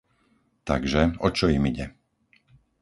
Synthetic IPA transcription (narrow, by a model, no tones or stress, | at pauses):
t̪aɡʒɛɔt͡ʃɔimiɟɛ